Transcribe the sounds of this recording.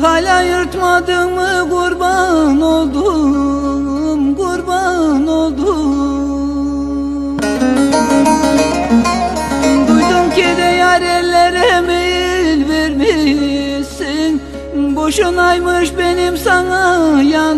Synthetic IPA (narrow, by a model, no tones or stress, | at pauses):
ɦalʲajɯɾt̪mad̪ɯmɯɡuɾbanolˠd̪ | mɡuɾbanolˠd̪u | d̪ujd̪umkʲid̪ɛjaɾɛɾleɾɛmejlvɛɾmi | sin | boʃunajmɯʃbenimsaŋaja